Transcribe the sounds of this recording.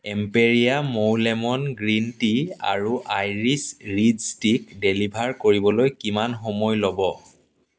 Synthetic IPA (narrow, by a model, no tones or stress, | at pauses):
ɛmpeɹijamowlɛmɔnɡɹintia̰ɹuʔajɹisɹidstikdelibʱaɹkoɹibɔlojkimanxɔmɔjlɔbɔ